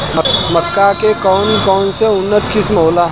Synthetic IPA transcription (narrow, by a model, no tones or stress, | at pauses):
mmɐkːakekɔːnkɔːnseʊnːət̪kɪsmɦoːlaɦ